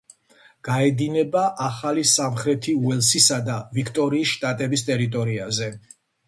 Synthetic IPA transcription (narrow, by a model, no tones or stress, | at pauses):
ɡ̥aɛd̪inɛbaʔaχalisamχɾɛt̪ʰiuɛlˠsisad̪avikʰt̪ʼɔɾiːsʃt̪ʼat̪ʼɛbist̪ʼɛɾit̪ʼɔɾiazɛ